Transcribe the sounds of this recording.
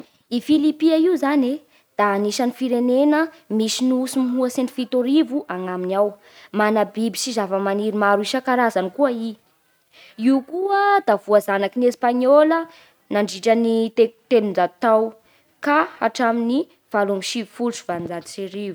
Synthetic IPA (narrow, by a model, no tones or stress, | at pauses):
ifilipiaiuzane | d̪̥aːniʃanifiɾenenə | misiniusimiɦuasenifit̪oɾivuʔaŋaminaw | manabibisizavəmaniɾimaɾuiʃakaɾazanikuəi | iukuəd̪avuazanakinespaɲolə | naɳɖ͡ʐiʈ͡ʂanit̪et̪elund͡ʒat̪aw | kaaʈ͡ʂamini | v̥alumiʃifuluʈ͡ʂu̥vand͡zalisiɾivu̥